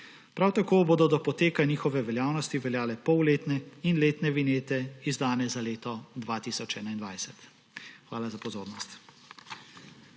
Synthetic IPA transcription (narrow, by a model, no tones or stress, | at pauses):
pɾawt̪akoːboːd̪ɔd̪ɔpɔt̪eːkaniːxɔʋɛʋɛljaːwnɔst̪iʋɛljaːlɛpɔwleːt̪nɛinleːt̪nɛʋineːt̪ɛizd̪aːnɛzaleːt̪ɔd̪ʋat̪isɔt͡ʃɛːnaind̪ʋajsɛt̪ | xʋaːlazapɔzoːɾnɔst̪